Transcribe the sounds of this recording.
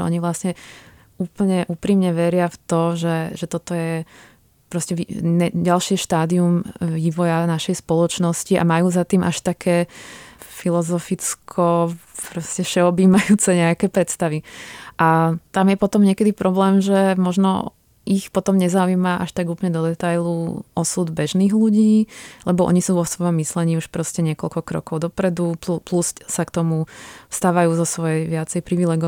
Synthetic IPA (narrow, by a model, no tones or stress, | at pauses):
ɔ̰ɲiʋlasɲɛ | uːpl̩ɲɛʔuːpɾiːmɲɛʋɛɾɪaft̪ɔʒɛʒɛt̪ɔt̪ɔjɛ | pɾɔscɛʋiɛɟalʃɪɛʃt̪aːd̪iumʋiʋɔjanaʃɛjspɔlɔt͡ʃnɔsciʔa̰majuːzat̪iːmʔaʃt̪akʰɛː | filɔzɔfit͡skʰɔpɾɔscɛʃɛɔbiːmajuːt͡sɛɲɛakɛːpɾɛt̪st̪aʋiʔat̪amjɛpɔt̪ɔmɲɛkɛd̪ipɾɔblɛːmʒɛmɔʒnɔ̰ | ixpɔt̪ɔmɲɛzaujimaʔa̰ʃt̪aɡuːpl̩ɲɛd̪ɔd̪ɛt̪ajluɔsud̪bɛʒniːɣluɟiːlɛbɔʔɔ̰ɲisuːʋɔsʋɔjɔmːislɛɲiːuʃpɾɔscɛɲɪɛkɔlkɔkɾɔ̰kɔʊd̪ɔpɾɛd̪upplussakt̪ɔmust̪aːʋajuːzɔsʋɔjɛjʋɪat͡sɛjpɾiʋilɛːɡɔ